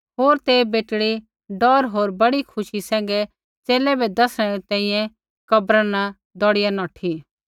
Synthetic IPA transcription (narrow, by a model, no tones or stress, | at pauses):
ɦoːɾt̪ebeːʈɽi | ɖɔːɾɦoːɾbɐɽikʰʊʃisɛ̃ːŋ̆ɡɛ | t͡seːlɛbɛd̪ɐsɽ̃ɛɾɛt̪ɛ̃ːĩjɛ̃ | kɐbɾana | d̪ɔɽɪjanɔːʈʰi